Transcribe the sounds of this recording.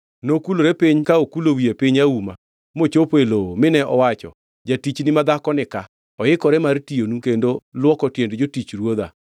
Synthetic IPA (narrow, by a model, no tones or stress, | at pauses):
nokuloɾɛpiɲkaokulowiepiɲauma̰ | mot͡ʃopelomɪnɛʔɔwat͡ʃɔ̰ | d͡ʒatit͡ʃnɪmad̪akɔnɪka | ɔɪkɔɾɛmartionukendolwɔkɔtjendd͡ʒotit͡ʃɾwod̪a̰